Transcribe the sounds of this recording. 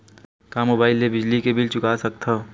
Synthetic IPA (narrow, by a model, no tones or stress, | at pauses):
kaːmobaːɪlːebɪd͡ʒlikebɪlt͡ʃʊkasɐk̚t̪ʰa